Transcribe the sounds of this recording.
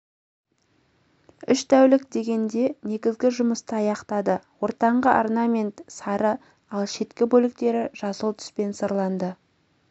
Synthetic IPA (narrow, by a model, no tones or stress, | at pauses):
ʏʃt̪ʰæwlɪkd̪e̞ɡʲe̞nd̪e̞ne̞ɡʲɪzɡʲɪʒʊməst̪əɑjɑqt̪ɑd̪əwo̞ɾt̪ɑɴʁəʔarnamʲe̞nt̪sɑɾə | ɑlˠʃe̞t̪kʲɪbɵlɪk̚t̪e̞ɾɪʒ̥ɑsəlˠt̪ʰʏ̥spe̞nsəɾlˠɑnd̪ə